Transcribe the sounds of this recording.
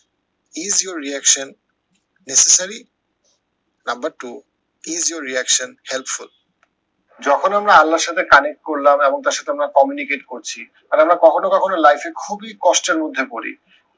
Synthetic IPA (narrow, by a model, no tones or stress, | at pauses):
izjoɾːiɛkʃonː | esesaɾi | nãmbəɾʈu | izjoɾːiɛkʃonhɛlpful | d͡ʑɔkʰonamɾaalːaɾʃat̪ʰekanekkoɾlamɛboŋt̪aɾʃat̪ʰeamɾakɔmjunikeʈkoɾt͡ɕʰi | t̪alamɾakɔkʰonokɔkʰonolajfekʰubikɔʃʈeɾmod̪ʱːekoɾḭ